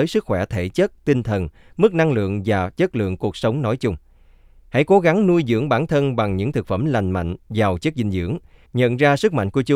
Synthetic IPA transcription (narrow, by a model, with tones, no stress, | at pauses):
əː˨˦jsɨ˦˥k̚xwɛ˧˩t̪ʰe˧˩t͡ɕə˦˥t̚t̪i˧nt̪ʰə˨˩n | mɨ˦˥k̚na˧ŋlɨ̰˧˨əŋvaː˨˩t͡ɕə˦˥t̚lɨ̰˧˨əŋku˨˩ək̚sə˨˦wŋ͡mnɔ˨˦jt͡ɕʊ˧ŋ͡m | ha̰˧˥jko˨˦ɣa˨˦ŋnu˧jzɨ̰˧˥əŋɓaː˧˩nt̪ʰə˧nɓa˨˩ŋɲɨ̰˧˥ŋt̪ʰɨ˨˩k̚fə˧˩mla˨˩jŋ̟ma̰˧˨jŋ̟vaː˨˩wt͡ɕə˦˥k̚zï˧˩ŋ̟zɨ̰˧˥əŋɲə̰˧˨nzaː˧sɨ˦˥k̚ma̰˧˨ŋ̟ku˧˩ət͡ɕ